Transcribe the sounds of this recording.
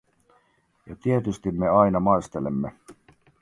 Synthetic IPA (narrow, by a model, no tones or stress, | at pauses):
jɑt̪iet̪yst̪imːe̞ɑjnɑmɑest̪e̞lemːe